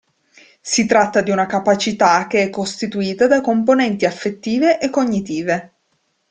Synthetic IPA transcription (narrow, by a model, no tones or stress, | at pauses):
sit̪ɾat̪ːad̪iunakapat͡ʃit̪ak̟eɛkːost̪it̪uiːt̪ad̪akomponɛnt̪iafːet̪ːiːveʔekːoɲːit̪iːve